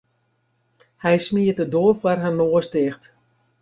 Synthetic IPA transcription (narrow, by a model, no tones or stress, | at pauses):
hɛjsmiətədoəfwarɦənoːəstɪxt